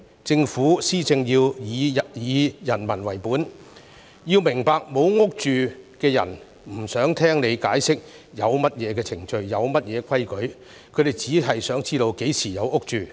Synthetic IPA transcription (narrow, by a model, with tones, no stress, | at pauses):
t͡sɪ˧ŋfuː˨˥siː˥t͡sɪ˧ŋjiː˧wjiː˨˧jɐ˨˩nmɐ˨˩nwɐ˨˩jpuː˨˥n | jiː˧wmɪ˨˩ŋpaː˧k̚mo˨˧wŋʊ˥k̚t͡ʃyː˨kɛː˧jɐ̰˨˩n | m̩˨˩sœː˨˥ŋt̪ʰɛː˥ŋne˨˧jkaː˨˥jsɪ˥k̚jɐ˨˧wmɐ˥t̚jɛː˨˧kɛː˧t͡sʰɪ˨˩ŋt͡ʃɵ˧ɥːjɐ˨˧wmɐ˥t̚jɛː˨˧kʰɐ˥jkɵ˨˥ɥ | kʰɵ˨˧ɥɾe˨jt͡siː˨˥ɦɐ˨jsœː˨˥ŋt͡siː˥ɾo˧wke˨˥jsʰiː˨˩jɐ˨˧wʊ˥k̚t͡ʃyː˨